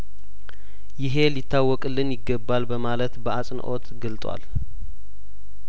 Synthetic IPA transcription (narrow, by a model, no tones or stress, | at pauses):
jɪɦe̞lit̪ːawːɔkʼɨlːɨnjɪɡːəbːalbəmalət̪bəasʼnʔo̞t̪ɡɨlt̪ʼwa̰l